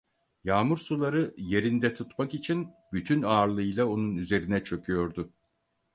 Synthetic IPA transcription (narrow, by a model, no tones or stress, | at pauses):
jaːmuɾsulˠaɾɯje̞ɾind̪ɛt̪ʰut̪makit͡ʃʰin | byt̪ʰynaːɾlˠɯjlˠao̞nunyze̞ɾinɛt͡ʃʰø̞kʰyjo̞ɾd̪ʊ